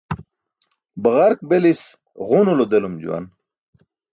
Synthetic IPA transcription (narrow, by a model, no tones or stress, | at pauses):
bəɣaɾk̚belis | ʁunulod̪elumd͡ʑṵwa̰n